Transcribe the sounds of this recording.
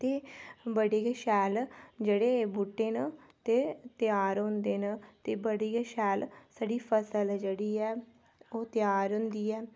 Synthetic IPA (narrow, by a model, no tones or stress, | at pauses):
t̪eːbəɽeːɡʃɛːld͡ʒeːɽeːbʊʈːeːnə | t̪eːt̪jaːɾɦʊ̃nd̪eːnaːt̪eːbəɽeːɡʃɛːlsəɖiːpʰəsəld͡ʒeːɽiːɛː | oːt̪ɪjaːɾɦʊ̃nd̪iːɛː